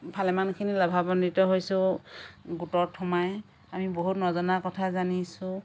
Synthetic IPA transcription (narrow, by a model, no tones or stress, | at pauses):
pʰalɛmankʰinilabʱabɔnditɔɦojsʊ | ɡutɔɹtʰːɔmaj | amiboɦutnɔzɔnakɔtʰazanisʊ̃